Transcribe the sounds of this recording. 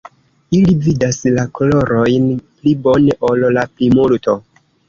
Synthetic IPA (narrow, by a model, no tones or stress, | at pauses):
ilividaslakolo̞ɾo̞jnplibo̞neʔo̞llaplimulto̞